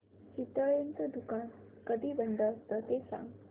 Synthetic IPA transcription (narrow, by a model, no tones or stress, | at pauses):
t͡ɕit̪əɭent͡səd̪ukan | kəd̪ibənd̪əst̪ət̪esã̰ŋ